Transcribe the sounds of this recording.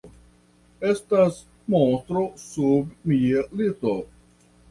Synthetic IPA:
estas | mont̪ɾosubmialito

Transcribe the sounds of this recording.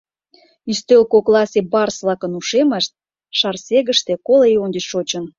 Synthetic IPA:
yst̪ølkoklˠɑsʲebɑrsβlˠɑkə̆nuʃeməʃt̪̚ | ʃɑrsʲeɣə̆ʃt̪ekolejonʲd̪ə̆t͡ɕʃot͡ɕə̆n

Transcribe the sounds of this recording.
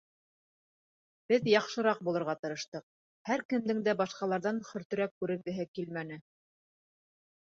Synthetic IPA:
b̥ɘðjɑqʃɤ̆ɾɑq̚bulˠɤ̆ɾʁɑt̪ɤ̆ɾɤ̆ʃt̪ɤq̚ | hæɾkɘ̆md̪ɘ̆ŋd̪æbɑʃqɑlˠɑɾðɑnχɵ̆ɾt̪ɵ̆ɾækːʉɾɘ̆ŋɡɘ̆ɦɘkilmænɘ

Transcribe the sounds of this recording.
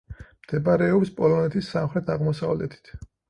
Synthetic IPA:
md̪̥ɛbaɾɛɔpspʼɔlɔnɛt̪ʰisːamχɾɛt̪ʰaʁmɔsavlɛ̰t̪ʰi̥t̪ʰ

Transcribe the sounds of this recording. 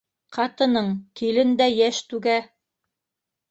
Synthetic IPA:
qʰɑt̪ɤ̆nɤɴkilɘnd̪æjæʃt̪ʉɡæ

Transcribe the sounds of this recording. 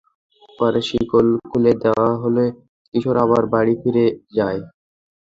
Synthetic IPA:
pɔɾeʃikolkʰuled̪eoaɦolo | kiʃʰoɾaβaɾbaɽifiɾed͡ʑae

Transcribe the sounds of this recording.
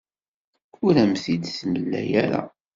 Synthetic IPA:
ʊɾæmθid̪θnəlːæ̰jæɾa̰

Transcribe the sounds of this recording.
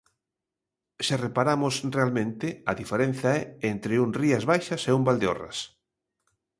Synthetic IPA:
sɪrepaɾamʊsrealmẽnt̪ɪɐðifeɾen̟θaɛent̪ɾeuŋriɐzβajʃɐseumbald̪eo̰rɐ̰s

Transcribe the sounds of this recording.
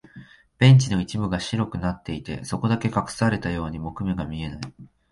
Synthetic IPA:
b̥ẽ̞ɲ̟t͡ɕino̞it͡ɕimɯ̟ɡaɕiɾo̞kɯ̟nat̪ːe̞it̪e̞̰so̞ko̞d̪ake̞kakɯ̟̥saɾe̞t̪ajo̞ːɲ̟imo̞kɯ̟me̞ɡamʲie̞nai

